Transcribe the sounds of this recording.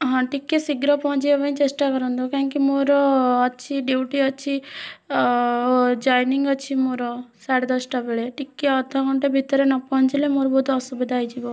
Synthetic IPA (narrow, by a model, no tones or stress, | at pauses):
ɦãʈikːesiɡɾɔpɔɦɔ̃ɲt͡ʃiebɐnĩt͡ʃesʈakɔɾɔnd̪okaɦŋkimoɾɔːt͡ʃʰiɖiuʈiəːt͡ʃʰi | d͡ʒajniŋɡɔt͡ʃʰimoɾɔsaɽed̪ɔsʈabeɭeʈikːeɔd̪ʱɔkɔɳʈebʱit̪ɾenɔpɔɦɔ̃ɲt͡ʃilemoɾbod̪ːsubid̪ʱaːjd͡ʒibo